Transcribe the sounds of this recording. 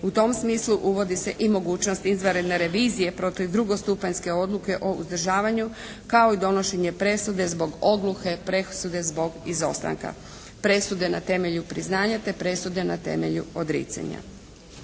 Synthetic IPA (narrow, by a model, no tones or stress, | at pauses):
ut̪o̞msmiːsluʔuʋo̞d̪ise̞ʔimo̞ɡuːt͡ɕno̞st̪izʋaɾed̪ne̞ɾe̞ʋiːzije̞pɾo̞t̪iʋd̪ɾuɡo̞st̪upaɲske̞o̞d̪luke̞ʔo̞ṵzd̪r̩ʒaːʋaɲu | kao̞id̪o̞no̞ʃe̞ɲe̞pɾe̞sud̪e̞zbo̞ɡo̞d̪luke̞pɾesud̪e̞zbo̞ɡizo̞̰st̪a̰ŋka̰ | pɾe̞sud̪e̞nat̪e̞me̞ʎupɾiznaːɲat̪e̞pɾe̞sud̪e̞nat̪e̞̰me̞̰ʎuod̪ɾḭːt̪sa̰ɲa̰